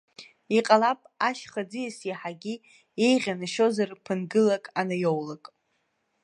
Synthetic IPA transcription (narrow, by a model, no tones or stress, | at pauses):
iqʼalapʼaʃχad͡zɨjasiħaɡʲi | ejʁʲanɨʃo̞zarpʰɨnɡɨlakʼanɨjowlakʼ